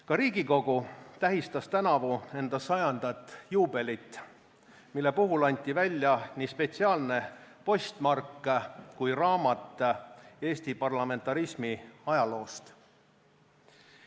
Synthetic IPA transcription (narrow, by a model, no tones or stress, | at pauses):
kɑɾiːɡiko̞ɡ̥ut̪æɦist̪ɑst̪ænɑvue̞nd̪̥ɑsɑjɑnd̪̥ɑt̪ːˑjuːb̥e̞lit̪ːˑ | milːe̞puɦulɑnʲt̪ʲːˑivælʲːjɑniːspe̞t̪siɑːlne̞po̞st̪mɑrkːˑkujrɑːmɑt̪ːˑe̞ːsʲt̪ipɑrlɑme̞nt̪ːˑɑɾismiɑjɑlo̞ːst̪